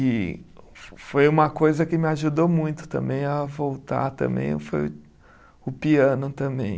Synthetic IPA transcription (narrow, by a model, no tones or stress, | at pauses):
ɪ | fojũmɐkojzɐkɪmɪaʒud̪omũj̃t̪ʊ̥t̪ɐ̃mbẽj̃avowt̪a̰ɾt̪ɐ̰̃mbḛ̃j̃foj | ʊpiɐ̃nʊt̪ɐ̃mbḛ̃j̃